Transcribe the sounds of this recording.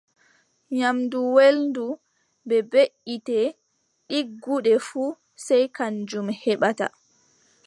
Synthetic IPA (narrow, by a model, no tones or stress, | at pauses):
ɲamduwelndu | bɛbeʔitɛ | ɗiɡːuɗɛfuː | sɛjkand͡ʒumhɛɓata̰